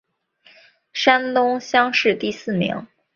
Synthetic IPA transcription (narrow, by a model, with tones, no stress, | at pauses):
ʂa˥nt̪ʊ˥ŋɕjɑ˥ŋʂɻ̩˥˧t̪i˥˧sɹ̩˥˩mḭ˧˥ŋ